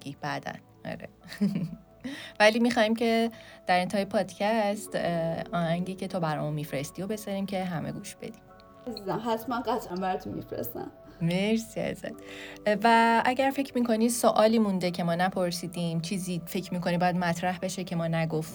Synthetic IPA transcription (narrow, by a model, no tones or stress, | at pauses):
ib̥æd̪æ̰n | ɒ̰ɾe | væliːmixɒːimcʰe̞d̪̥æɾent̪ʰɛːjepʰɒːd̪cʰæst̪ɒːhæŋɟiːcʰe̞t̪ʰoːbæɾɒ̰ːmunmiːfɾest̪io̞be̞zɒɾiːmcʰe̞ɦæmʔḛɡuːʃb̥e̞̰d̪̥im | æzizæmɦæt̪ʰmænɢæt̪ʰʔæmbæɾt̪ʰunmḭfɾḛst̪æ̰m | meɾsiæ̰zæ̰nvæʔæɟæɾfe̞cʰmiːkʰo̞ni̥soʔɒːliːmund̪ecʰe̞mɒːnæpʰoɾsiːd̪iːmt͡ʃʰiːzifecʰmiːkʰo̞nibɒːjæd̪̚mæt̪ʰɾæhbe̞ʃe̞cʰe̞mɒːnæɡoft̪